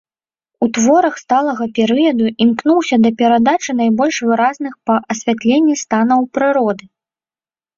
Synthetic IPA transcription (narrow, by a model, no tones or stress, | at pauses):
ut̪vɔɾɐxst̪alˠɐɣɐpʲɛɾɨjɐd̪uimknuwsʲɐd̪ɐpʲɛɾad̪at͡ʂɨnajbɔlʲʂvɨɾaznɨxpɐʔɐsʲvʲat̪lʲenʲːist̪anɐwpɾɨɾɔd̪ɨ